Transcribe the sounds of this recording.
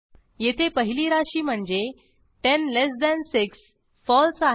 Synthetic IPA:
jet̪ʰepəɦiliːɾaɕiːm̤əɳd͡ze | ʈenles̬d̪ænsiks | fɔlsa

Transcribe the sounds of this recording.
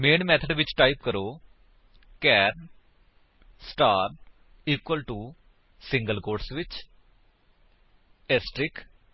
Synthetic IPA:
meːnmɛːt̪ʰəɖʋɪt͡ʃʈaːip̚kəɾoː | kɛːɾn | sʈaːɾ | iːkwəlʈuː | sɪ̃ŋɡəlkoːɾʈsʋɪt͡ʃ | ɛsʈɾɪk

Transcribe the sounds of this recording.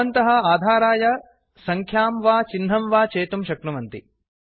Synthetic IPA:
ɐnt̪ɐɦɐ̆aːd̪ʱaːɾaːjɐ | sɐŋkʰjaːmʋaːt͡ʃinɦɐmʋaːt͡ʃeːt̪umʃɐknɐʋɐnt̪ḭ

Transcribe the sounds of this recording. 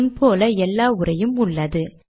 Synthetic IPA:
npʰoːlɐɛlːaːʊrɐjɯmʊɭːɐðɯ

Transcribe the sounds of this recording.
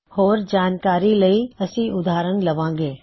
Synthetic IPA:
hɔːɾd͡ʒaːnkaːɾilɐiɐsĩʔʊd̪aːɾəñlɐʋãːɡeː

